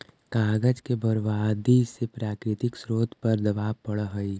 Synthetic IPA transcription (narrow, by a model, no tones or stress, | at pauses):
kaːɡəd͡ʒkebʱəɾʋaːd̪ʱisepɾaːkɾɪt̪ɪksɾoːt̪ʰpɐɾd̪əʋaːpəɽɦəi